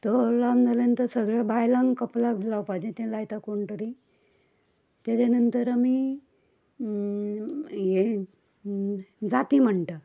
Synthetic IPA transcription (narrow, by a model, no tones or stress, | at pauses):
t̪olamnd͡zalent̪əɾsəɡɭjabajlãŋɡkəplaklawpad͡ʑẽt̪ẽlajt̪akoɳʈ̪əɾi | t̪jatanənt̪əɾami | je | d͡zat̪iːm̤əɳʈ̪ə